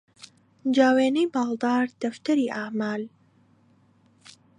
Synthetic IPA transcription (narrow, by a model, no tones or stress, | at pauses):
nd͡ʒaːweːnɛjbɑːld̪ɑːɾd̪̥ɐft̪ɐɾiʔaːmaːl